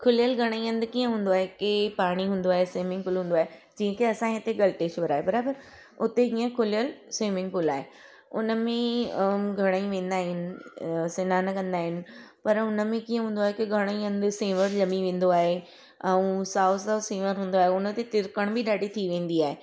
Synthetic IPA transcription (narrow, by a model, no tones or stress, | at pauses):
kʰʊlɪjəlɡʱɐɽ̃əiɐ̃nd̪kiːə̃ɦũːn̆d̪oaːɦekɪpaːɽ̃iɦũːn̆d̪oaːɦesiːmɪ̃ŋɡfʊlɦũːnd̪oaːɦed͡ʑĩːə̃kʰeɐsãɦet̪eɡɐlʈeːʃʋɐɾaːɦebɐɾaːbəɾ | ʊt̪eɦĩːə̃kʰʊlɪjəlsĩːmɪ̃ŋɡpʊlaːɦe | ʊnə̆mẽ | ɡʱɐɽ̃əĩʋẽːn̆d̪aːɦɪnɪ̆sɪnaːnɐkɐ̃nd̪aːɦɪnɪ̆pɐɾʊnəmẽkiːə̃ɦũːnd̪oaːɦekɪɡʱɐɽ̃əĩɐ̃nd̪ɪsẽːʋəɾlɐmiʋẽːn̆d̪oaːɦe | ɛ̃ũsaːʊsaːsẽːʋəɾɦũːn̆d̪oaːɦeʊnət̪et̪ɪɾkəɽ̃bʱɪɗaːɖʱit̪ʰiʋẽːn̆d̪iaːɦe